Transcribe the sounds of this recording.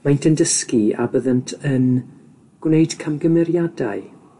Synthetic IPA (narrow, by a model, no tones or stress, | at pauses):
majntʰəndəskia̰bəðəntʰən | ɡ̥wnejd̥kʰamɡəmɛɾjadaɨ